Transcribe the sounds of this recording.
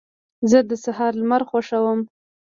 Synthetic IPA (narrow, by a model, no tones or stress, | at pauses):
zəd̪əsahɑɾlmaɾxwaʂawəm